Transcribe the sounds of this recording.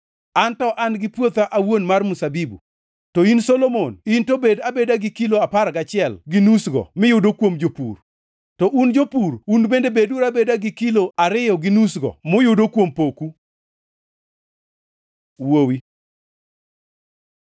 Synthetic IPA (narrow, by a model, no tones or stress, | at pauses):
antɔʔanɡɪpwot̪aʔawonmarmusabibṵ | toinsolomonintobedabedaɡɪkiloapaɾɡat͡ʃɪɛlɡɪnusɡɔ̰mɪjʊdokwomd͡ʒopṵr | tɔʔund͡ʒopuɾunbendebeduɾabedaɡɪkiloaɾɪjɔɡɪnusɡɔ̰mʊjʊdokwompoku | wowi